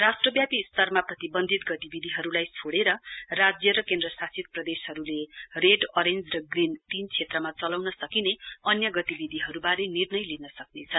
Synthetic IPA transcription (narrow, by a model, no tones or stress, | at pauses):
rasʈrʌbjapist̪ʌrmaprʌt̪ibʌnd̪ʱit̪ɡʌt̪ibid̪ʱiɦʌɾulajt͡sʰoɽeɾʌrad͡zjʌɾʌkend̪rʌsasʰit̪̚prʌd̪esɦʌɾulereɖʌɾend͡zrʌɡrint̪int͡sʰet̪rʌmat͡sʌlawnʌsʌkineʌnjʌɡʌt̪ibid̪ʱiɦʌɾubaɾenirnʌjlinʌsʌknet͡sʰʌn